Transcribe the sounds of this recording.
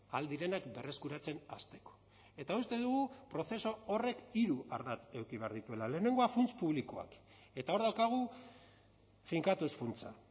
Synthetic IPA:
ald̪iɾe̞nakbe̞re̞skuɾat͡se̞na̰st̪e̞ko̥ | e̞t̪aust̪e̞ðuɣupɾo̞θe̞so̞ore̞kiɾuaɾðat͡se̞wkiβ̞e̞aɾðit̪ue̞lale̞ːne̞ŋɡo̞afunt͡spuβliko̞a̰k | e̞t̪ao̞ɾðawkaɣ̞u | fiŋkat̪usfunt͡sa

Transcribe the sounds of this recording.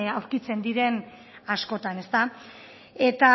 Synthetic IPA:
awɾkit͡se̞nd̪iɾe̞n | asko̞t̪ane̞st̪a | e̞t̪a

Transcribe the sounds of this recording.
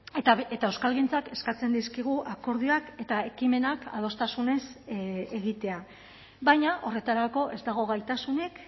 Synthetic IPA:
et̪aewskalɣint͡sake̞skat͡se̞nd̪iskiɣ̞uʔako̞ɾð̞iake̞t̪ae̞kime̞naka̰ð̞o̞st̪asune̞seɣit̪e̞a | bajɲaʔo̞re̞t̪aɾako̞ʔe̞zd̪aɣ̞o̞ɣ̞ajt̪asune̞k

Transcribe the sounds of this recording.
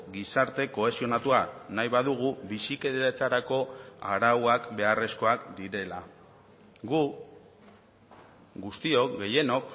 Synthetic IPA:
ɡisaɾt̪e̞ko̞e̞sio̞nat̪uanajβaðuɣ̞uβisike̞ðeat͡saɾako̞a̰ɾawakbe̞are̞sko̞akd̪iɾe̞la | ɡu | ɡust̪io̞kɡe̞je̞no̞k

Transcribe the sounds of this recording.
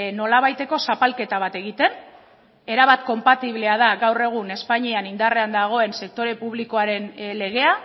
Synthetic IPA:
no̞laβajt̪e̞ko̞sapalke̞t̪aβat̪e̞ɣit̪e̞n | e̞ɾaβat̪̚ko̞mpat̪iβle̞að̞aɣawre̞ɣ̞une̞spaɲianind̪are̞and̪aɣ̞o̞e̞nse̞k̚t̪o̞ɾe̞puβ̞liko̞aɾe̞nle̞ɣe̞a

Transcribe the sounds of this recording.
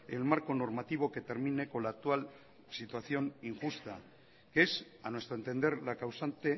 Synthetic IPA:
e̞̰lmaɾko̞no̞ɾmat̪iβ̞o̞ke̞t̪e̞ɾmine̞ko̞nlaːk̚t̪ual | sit̪waθjo̞niŋxust̪a | kes | anwe̞st̪ɾoent̪e̞nd̪e̞ɾlakawsant̪e̞

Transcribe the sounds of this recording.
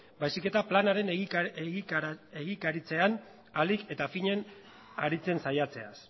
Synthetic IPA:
bajsike̞t̪aplanaɾe̞nɣeɣieɣikaɾit͡se̞an | alike̞t̪afiɲe̞n | a̰ɾit͡se̞nsajat͡se̞as

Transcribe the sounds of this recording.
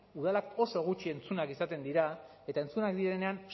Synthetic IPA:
uð̞alako̞so̞ɣ̞ut͡ʃie̞nt͡sunakisat̪e̞nd̪iɾa | e̞t̪ae̞nt͡sunakd̪iɾe̞ne̞an

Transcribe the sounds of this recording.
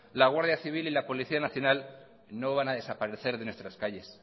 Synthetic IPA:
laɣ̞waɾðjaθiβ̞ililapo̞liθianaθjo̞nal | no̞β̞anaðe̞sapaɾe̞θe̞ɾðe̞nwe̞st̪ɾaskaʝe̞s

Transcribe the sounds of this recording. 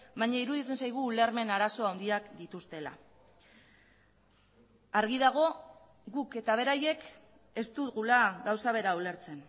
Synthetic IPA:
bajɲaiɾuðit͡se̞nsajɣ̞uːleɾme̞naɾaso̞awnd̪iakd̪it̪ust̪e̞la̰ | aɾɣiðaɣ̞o̞ | ɣuke̞t̪aβ̞e̞ɾaje̞k | e̞st̪uɣulaɣawsaβ̞e̞ɾaule̞ɾt͡se̞n

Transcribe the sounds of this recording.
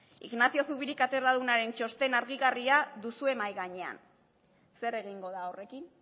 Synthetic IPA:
ḭɣnasio̞suβiɾikat̪e̞ɾaðunaɾe̞nt͡ʃo̞st̪e̞naɾɣiɣariaðusue̞majɣaɲe̞a̰n | se̞re̞ɣiŋɡo̞ðaore̞kin

